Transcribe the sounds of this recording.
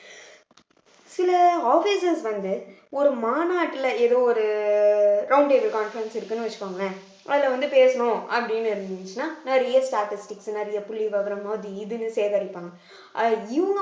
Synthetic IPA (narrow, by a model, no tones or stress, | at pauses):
sɪlɐaːfisɐsʋɐnd̪ɯ | ɔɾɯmaːnaːʈːɪlɐɛðoːɔɾɯ | ɾɐʊɳɖʈeːʋɪlkaːnfɐɾɐnsɪɾɯkːɯnːɯʋɐt͡ʃːɯ̥kːaːŋɡɐɭɐ | ʔɐðɪlɐʋɐnd̪ɯpeːsɐɳʊ̃ɐpːɐɽɪnːɯɪɾɯnɪnt͡ʃːɯnaːnɐɾɪjɐsʈaːʈɪsʈɪksnɐɾɐjɐpʊɭːiʋɐɣɐɾɐmaːðiɪðɯnːɯseːðɐːɾɪpːaːŋɡɐ | ɪʋɐŋɡ